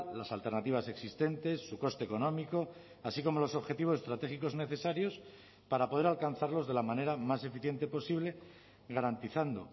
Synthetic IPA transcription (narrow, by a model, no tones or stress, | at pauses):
lasalt̪e̞ɾnat̪iβase̞ksist̪e̞nt̪e̞sːuko̞st̪eko̞nõ̞miko̞ | asiko̞mo̞lo̞so̞βxe̞t̪iβo̞sest̪ɾat̪e̞xiko̞zne̞θe̞saɾjo̞s | paɾapo̞ð̞e̞ɾalkan̟θaɾlo̞zðe̞lamãne̞ɾamase̞fiθje̞nt̪e̞po̞siβle̞ | ɣaɾant̪iθand̪o̞̰